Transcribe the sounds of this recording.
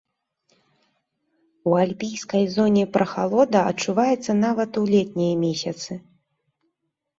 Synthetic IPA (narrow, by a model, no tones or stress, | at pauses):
ualʲpʲijskɐjzɔnʲɛpɾʔɐxalˠɔd̪ɐɐt̪t͡ʂuvajɛt̪sːɐnavɐt̪ulʲɛt̪̚ʲnʲijɐmʲesʲɐt̪sɨ